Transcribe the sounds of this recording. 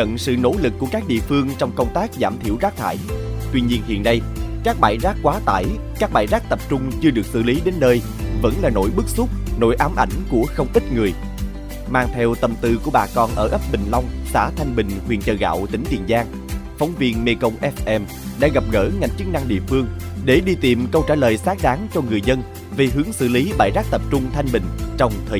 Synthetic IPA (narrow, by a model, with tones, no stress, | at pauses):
ə̰˧˨nsɨ̰˧˨no̰˧˥lɨ˨˩kːu˧˩əkaː˦˥k̚ɗḭ˧˨əfɨ˧əŋt͡ɕɔ˧wŋ͡mkə˧wŋ͡mt̪aː˦˥k̚zaː˧˩mt̪ʰḭ˧˩əwzaː˦˥k̚t̪ʰa̰ː˧˨jt̪wi˧ɲi˧ənhḭ˧ənːa˧j | kaː˦˥k̚ɓaː˧˩jzaː˦˥k̚kwaː˨˦t̪a̰ː˧˩j | kaː˦˥k̚ɓaː˧˩jzaː˦˥k̚t̪ə˨˩p̚t͡ɕʊ˧ŋ͡mt͡ɕɨ˧əɗɨ˨˩ək̚sɨ̰˧˨li˨˦ɗe˨˦nːəː˧j | və̰˧˥nlaː˨˩no̰˧˥jɓɨ˦˥k̚sʊ˦˥t̚no̰˧˥jʔaː˨˦mʔa˧˩jŋ̟ku˧˩əxə˧wŋ͡mʔi˦˥t̚ŋɨ˨˩əj | maː˨˩ŋt̪ʰɛ˧wt̪ə˨˩mt̪ɨ˧˩ku˧˩əɓaː˨˩kɔ˨˩nʔəː˧˩ʔə˦˥p̚ɓï˨˩ŋ̟la˧wŋ͡msa̰ː˧˥t̪ʰa˧jŋ̟ɓï˨˩ŋ̟hwi˨˩ənt͡ɕəː˨˩ɣa̰ː˧˨wt̪ï˧˥˦ŋ̟t͡ɕḭ˧˩ənzaː˧ŋ | fɔ˨˦wŋ͡mvi˧ənme˧˩kə˧wŋ͡mʔɛ˦˥fʔɛ˧m | ɗa̰ː˧˥ɣa˨˩p̚ɣə̰ː˧˩ŋa˨˩jŋ̟t͡ɕɨ˦˥k̚na˧ŋɗḭ˧˨əfɨ˧əŋ | ɗe˧˩ɗi˧t̪ḭ˨˩mkə˧wt͡ɕaː˧˩ləː˨˩jsaː˦˥k̚ɗaː˨˦ŋt͡ɕɔ˧ŋɨ˨˩əjzə˧n | ve˨˩ɦɨ˨˦əŋsɨ̰˧˩li˨˦ɓa̰ː˧˩jzaː˦˥k̚t̪ə˨˩p̚t͡ɕʊ˧ŋ͡mt̪ʰa˧jŋ̟ɓï˨˩ŋ̟t͡ɕɔ˧wŋ͡mt̪ʰəː˨˩